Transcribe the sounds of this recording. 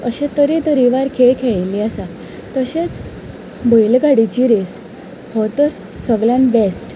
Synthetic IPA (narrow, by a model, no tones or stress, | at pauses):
əɕẽt̪əɾit̪əɾiʋaɾkʰeɭkʰeɭliasa | t̪əɕet͡s | bəjlɡaɽit͡ɕiɾes | hɔt̪əɾ | səɡljãnʋesʈ